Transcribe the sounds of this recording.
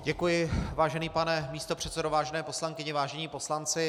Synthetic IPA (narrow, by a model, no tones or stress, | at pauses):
ɟɛkujɪvaːʒɛniːpanɛmiːst̪o̞pr̝̥ɛt̪sɛdovaːʒɛnɛːpo̞slaŋkɪɲɪvaːʒɛɲiːpo̞slant͡sɪ